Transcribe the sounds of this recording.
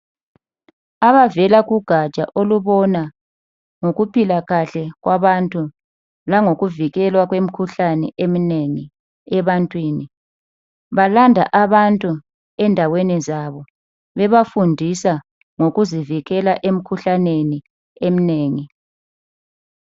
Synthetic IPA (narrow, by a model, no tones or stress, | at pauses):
aβavɛlaɣuɡ̥ʱat͡ʃʼa̰ʔoluβɔna | ŋoɣupilaɣaɬɛɣwaβantʼu | laŋoɣuviɣɛlwaɣwem̩kʰuɬanɛʔemineŋi | ɛβantʼwiːni | βalandʱaʔaβantʼu | ɛndʱawenizaβɔ | βɛβafundʱisa | ŋoɣuziviɣɛlaʔem̩kʰuɬaneni | emineːŋi